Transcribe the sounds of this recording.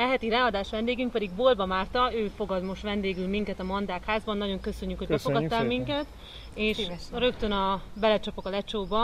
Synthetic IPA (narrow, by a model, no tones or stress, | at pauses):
ɛɦɛt̪iɾaːɒd̪aːʃʋɛnd̪eːɡyŋk̚pɛd̪iɡboːlbɒmaːrt̪ɒøːfo̞ɡɒd̪mo̞ʃt̪ʋɛnd̪eːɡylmiŋkɛt̪ɒmɒnd̪aːkhaːzbɒnːɒɟo̞ŋkø̞sø̞ɲːykho̥bɛfoɡɒt̪ːaːlmiŋkɛt̪ | eːʃɾø̞kt̪ø̞nɒbɛlɛt͡ʃɒpo̞kɒlɛt͡ʃoːbɒ